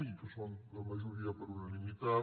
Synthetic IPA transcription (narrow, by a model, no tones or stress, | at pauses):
ik̪ɐsõw̃d̪ɐmɐʒuɾiɐpɐɾunɐnimit̪a